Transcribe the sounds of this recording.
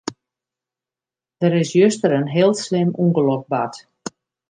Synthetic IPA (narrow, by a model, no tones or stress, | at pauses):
d̥əɾɪsjøstəɾənɦɪəlˠslɪmuŋɡəlɔk̚bat